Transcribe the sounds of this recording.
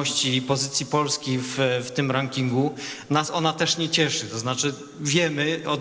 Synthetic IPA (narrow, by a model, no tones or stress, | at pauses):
ɔɕt͡ɕipɔzɘt̪sʲjipɔlskʲejfft̪ɘmɾaŋkʲiŋɡunasɔnat̪ɛʂɲɛt͡ɕɛʂɘt̪ɔznat͡ʂɘ | vʲjɛmɘɔd̪